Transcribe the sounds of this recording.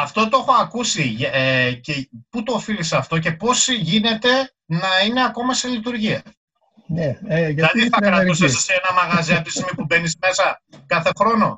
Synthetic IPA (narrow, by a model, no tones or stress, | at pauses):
ɐft̪ot̪o̞exo̞ɐkusieceput̪oːfilisɐft̪o̞ce̞po̞sʝine̞t̪e̞ | nɐine̞ɐko̞mɐselit̪uɾʝiɐ | nilɐðiθɐkɾɐusesɐseenɐmɐɣɐziɐt̪ist̪imipube̞nizme̞sɐkɐθe̞xɾo̞no̞